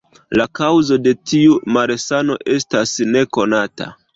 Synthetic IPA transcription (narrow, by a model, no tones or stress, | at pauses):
lakawzo̞de̞tiumaɾesano̞̰ʔe̞stasne̞ko̞nata̰